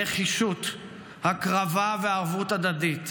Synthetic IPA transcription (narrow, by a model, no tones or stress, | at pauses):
eχiʃut̪ | hakʁavaveːʁvutad̪adit̪